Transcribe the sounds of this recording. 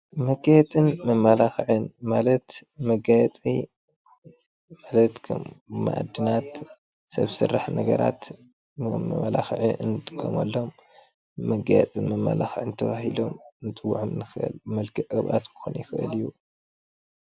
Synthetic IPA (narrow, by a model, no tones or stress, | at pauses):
mɐɡajɛt͡s̪ʼɨnmɐmːalaxɨʕɨnmalɐt̪mɐɡajɛt͡sʼi | malɐt̪kʰɐmːa̰ʔa̰d̪ɨnat̪ | sɐ̰βsɨrːaħnɐɡɐɾa̰t̪ː | ɐmalaxɨʕiʔɨnɨd̪ɨɡʰomɐ̰lːo̞mː | ɐɡajɛ̰t͡sʼɨnmɐmːa̰laxɨʕɨnt̪ʰɐβahilo̞mnɨt͡sʼɨwṵʕomnɨxɨʔɨ̰lmɐlkʰɨʔɨβʔa̰t̪kʰɨ̥xonjɪxɨʔɨ̰liju